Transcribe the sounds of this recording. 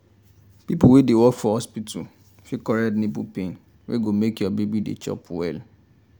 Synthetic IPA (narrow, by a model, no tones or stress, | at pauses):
pipuwedewɔkfɔhɔspitʰṵ | fikɔɹɛtnibupẽn | wʔḛɡomekjɔbebidḛt͡ʃɔ̰pwɛ̰l